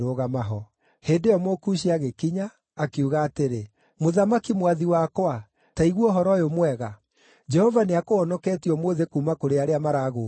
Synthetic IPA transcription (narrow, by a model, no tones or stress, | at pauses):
ɾoːɣamaɦɔ | heːdejɔmokuɕiaɣekiɲaː | keuɣaːteɾe | moðamakimwaðiwakwa | taiɣwɔɦɔɾɔjomwɛɣa | d͡ʒɛhɔvaneakoɔnɔkɛːtiɔmwoðekuːmakoɾeaɾeamaɾaɣo